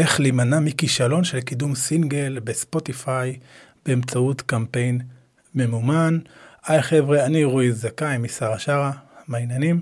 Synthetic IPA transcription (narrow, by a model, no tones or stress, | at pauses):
ʔe̞χlimanamikiʃalo̞nʃe̞lkidumsiŋɡe̞lbespo̞tifaj | b̥eːmt͡sautkampe̞jn | me̞mumanʔajχevʁeaniʁuizːakajmisaʁaʃaʁamajnanim